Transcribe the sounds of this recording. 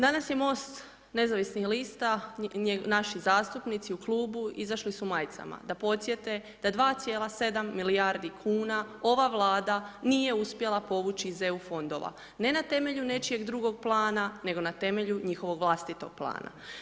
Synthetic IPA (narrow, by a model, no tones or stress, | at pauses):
d̪anasje̞mo̞ːst̪ | ne̞zaʋisnixliːst̪a | naʃizaːst̪upnit̪siukluːbuizaʃlisumajt̪sa̰ma̰d̪apo̞t̪sje̞t̪e̞ | d̪̥ad̪ʋaːt̪sje̞ːlˠase̞d̪amːilijaɾd̪ikʰuːnao̞ʋaʋlˠaːd̪anije̞uspje̞lˠapo̞ʋut͡ʃize̞ufo̞nd̪o̞̰ʋa̰ | ne̞nat̪e̞me̞ʎune̞t͡ʃie̞ɡd̪ɾuɡo̞ɡ̚plˠaːnane̞ɡo̞nat̪e̞me̞ʎuɲixo̞ʋo̞ɡʋlˠast̪it̪o̞̰ɡ̥̚plˠa̰ːna̰